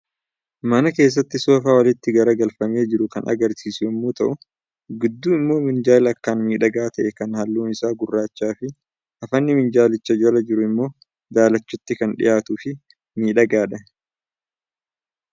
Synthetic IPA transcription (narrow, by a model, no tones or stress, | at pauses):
mɐnɐke̞ːs̬ːɐt̪ːɪsoːfaːwɐlɪt̪ːɪɡɐɾɐɡɐlfɐme̞ːd͡ʒɪɾʊkɐnʔɐ̰ɡɐɾsiːsʊjɐmːuːt̪ɐʔʊ | ɡɪd̪ːuːɪmːo̞ːmɪnd͡ʒaːlɐkːaːnmiːᶑɐɡaːt̪ɐʔɛkɐnhɐlːuːnɪsaːɡʊrːaːt͡ʃːaːfɪ | ʔɐfɐnːɪmɪnd͡ʒaːlɪt͡ʃːɐd͡ʒɐlɐd͡ʒɪɾʊɪmːo̞ː | d̪aːlɐt͡ʃːʊt̪ːɪkɐnᶑɪ̰jaːt̪ʊfɪ | miːᶑɐɡaːᶑɐ